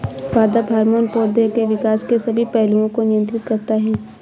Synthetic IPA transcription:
ʋaːd̪abʱaːɾmoːnpoːd̪ekeʋɪkaːskesɐbʱipɛɦluõkonɪjə̃nt̪ɾɪt̪kɐɾt̪aɦɛː

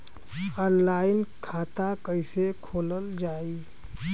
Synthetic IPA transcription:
nlaːɪnkʰaːt̪akəɪsekʰoːləld͡ʒaːi

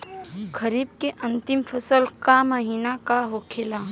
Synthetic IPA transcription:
kəɾiːbkeʔɐ̃nt̪ɪmfʰəsəlkaməɦiːnakaɦokʰelaː

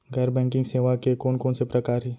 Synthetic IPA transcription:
ɡɛːɾbɛ̃ːŋkɪ̃ŋɡseːʋakekoːnkoːnsepɾɐkaːɾɦɛː

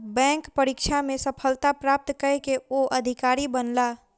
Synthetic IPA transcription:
bɛ̃ːŋkpəɾikʃʰamẽsəpʰəlt̪apɾaːp̚t̪kəɾekeoʔɐd̪ʱɪkaːɾibənla

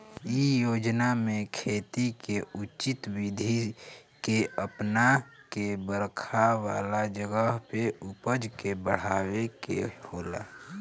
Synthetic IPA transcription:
ijoːd͡ʒnamẽkʰeːt̪ikeʊt͡ʃɪt̪wid̪ʱikeəpnakebəɾkʰawaːlad͡ʒəɡəɦpeʊpəd͡ʒkebəɽ̤aːwekḛhoːla̰

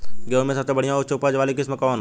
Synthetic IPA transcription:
ɡeomẽsɐbsebɐɽijãoɾt͡ʃʊpad͡ʒʋaːlikɪsmekɔːn

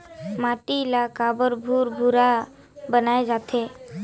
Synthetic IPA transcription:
maʈilakabəɾbʱuɾbʱuɾa | bənaed͡zat̪ʰe

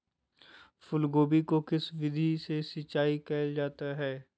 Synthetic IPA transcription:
fʊlɡoːbikokɪsʋɪd̪ʱisesɪt͡ʃaːikɛːld͡ʒaːt̪aɦɛː

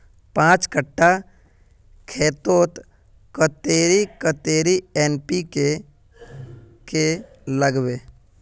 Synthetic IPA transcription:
pãːt͡ʃkəʈːa | kʰeːt̪oːt̪ | kət̪eːɾikət̪eːɾiɛːnpike | ke | ləɡʋeː

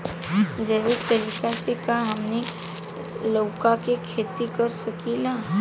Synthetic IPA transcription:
d͡ʒɐːʋɪɾ̚t̪ɐɾiːkasekaɦɐmne | loːkakekʰeːt̪ikɐɾsɐkilaː

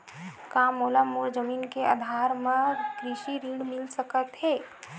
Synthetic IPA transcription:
kaːmoːlamoɾd͡ʒəmiːnkea̰d̪ʱaːɾmẽkɾɪʃiɾiːɽmɪlsəkət̪ɦɛː

